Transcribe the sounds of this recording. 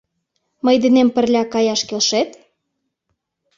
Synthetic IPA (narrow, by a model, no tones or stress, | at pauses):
məjd̪enempə̆rlʲɑkɑjɑʃkelʃet̪